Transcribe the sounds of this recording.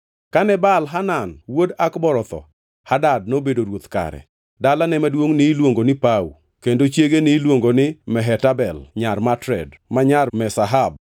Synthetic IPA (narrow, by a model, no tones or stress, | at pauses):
kanɛbalɦananwodakbɔɾɔt̪ɔ̰ | hadad̚nobedoɾwot̪ka̰ɾɛ̰ | dalanɛmadwoŋnɪlwoŋɡonɪpaṵ | kendot͡ʃjeɡenɪlwoŋɡonɪmɛɦɛtabɛlɲarmatɾɛ̰d | maɲarmɛsaɦab̚